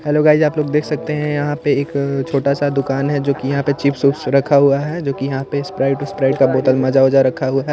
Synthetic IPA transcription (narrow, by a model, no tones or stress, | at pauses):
ɛːloːɡaːɪd͡ʒaːploːɡd̪eːkʰsɐk̚t̪eɦɛ̃jɐɦãpeeːkt͡ʃʰoːʈasad̪ʊkaːnɦɛd͡ʒoːkijɐɦãpet͡ʃiːpsuːpsɾɐkʰːaɦuaɦɛd͡ʒoːkijɐɦãpespɾaːɪʈʊspɾaːɪʈkaboːt̪əlmɐd͡ʒaʋɐd͡ʒaɾɐkʰːaɦʊaɦɛ